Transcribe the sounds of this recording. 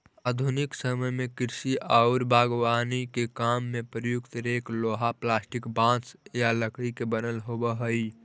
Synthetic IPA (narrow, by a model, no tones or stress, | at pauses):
aːd̪ʱunɪksəməjmẽkɪɾsiʔaʊɾbʱaːɡwaːnikekaːmːepɾəjʊkt̪ɾeːkloːɦaplaːsʈɪkbãːt͡ʃjaləkɽikebənəlɦobəɦəi